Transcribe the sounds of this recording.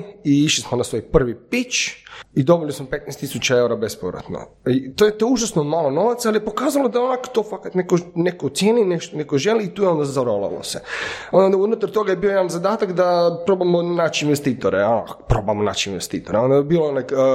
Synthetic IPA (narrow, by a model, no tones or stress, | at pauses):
iiʃlismonasʋoːjpr̩ʋipit͡ʃid̪o̞bilismopet̪nɛjst̪isut͡ɕaeuɾabespoʋɾa̰t̪no̰ | it̪ojet̪ouʒasnomaːlˠono̞ʋat̪saalijepokaːzalˠod̪aonakt̪oːfakat̪nekonekot̪sjeːnineʃt̪onekoʒe̞liːt̪uːjeo̞nd̪azaɾola̰lo̰seond̪d̪aunut̪aɾt̪oɡajebiojed̪anzad̪aːt̪akd̪apɾoːbamonat͡ʃiinʋest̪iːt̪oɾeona̰pɾoːbamona̰t͡ʃiinʋest̪iːt̪oɾeo̞nd̪aebiːlona